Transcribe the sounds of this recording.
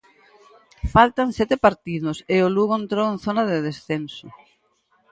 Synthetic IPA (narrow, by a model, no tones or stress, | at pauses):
falt̪ansɛt̪epaɾt̪iðʊseoluɣoent̪ɾoẽnθonaðeðesθenso